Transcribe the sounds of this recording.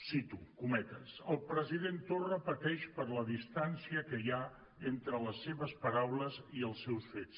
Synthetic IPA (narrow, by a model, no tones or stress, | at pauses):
sit̪ukumɛt̪əsəlˠpɾəziðent̪orəpət̪ɛʃpəɾləðist̪ansiəkəja | ent̪ɾələsːeβəspəɾawləziəlˠsːɛwsfet͡s